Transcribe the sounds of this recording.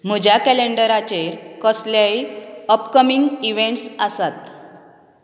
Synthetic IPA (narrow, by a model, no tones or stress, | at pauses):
m̤əd͡ʑʱakɛleɳɖəɾat͡ɕeɾkəsljaiəpkəmiŋɡiʋẽɳʈsasat̪